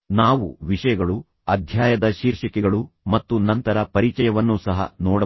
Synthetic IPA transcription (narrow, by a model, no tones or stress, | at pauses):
naːʋuʋiʂɐjɐɡɐɭu | ɐd̪ʱjaːjɐd̪ɐʃiːɾʂɐkɛɡɐɭumɐt̪ːunɐnt̪ɐɾɐpɐɾit͡ʃɐjɐʋɐnːusɐɦɐ̰nɔːɽɐ